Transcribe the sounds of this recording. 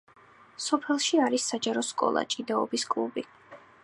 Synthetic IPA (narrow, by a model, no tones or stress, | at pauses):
sɔpʰɛlˠʃiaɾisːad͡ʒaɾɔskʼɔ̰lˠa̰t͡ʃʼid̪aɔbiskʼlˠubi